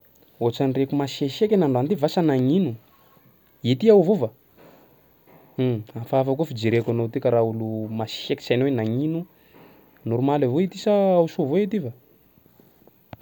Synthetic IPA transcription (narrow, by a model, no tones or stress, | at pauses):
ot͡sanrekumaseʃekʲenaɳɖ͡ʐant̪ivasanaŋinu | et̪iawvova | afaafakufid͡ʒiɾekanot̪ikaɾaulumasi̥eki̥sajnowenaŋinu | nuɾumalavoit̪isaausovoet̪iva